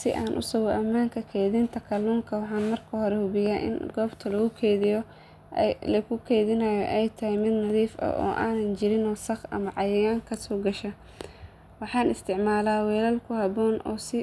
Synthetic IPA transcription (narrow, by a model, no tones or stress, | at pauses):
sɪ̰ʔaːnʔʊ̰sʊɣɔʔɐmːaːŋkʰɐkʰɛːðɪnt̪ʰɐkʰɐlɔːŋkʰɐwɑħɑːnmɐrkʰɐhɔɾɛhʊbɪjaːʔɪ̰nɡɔːbt̪ʰɐlɐɣʊkʰɛːðɪjɔ̰ | lɐkʊkʰɛːðɪnɐjɔʔɛjt̪ʰɐhɪjmɪd̪nɐðiːfɐ̰ʔɔ̰ːʔa̰ːnɐnt͡ʃɪɾɪnɔːsɐχɐ̰mɐʕɑjɛjaːŋkʰɐsɔːɡɐʃɐ | wɑħɑːnɪst̪ʰɪʕmaːlaːwɛːlɐlkʰʊhɐβɔːnʔɔːsɪ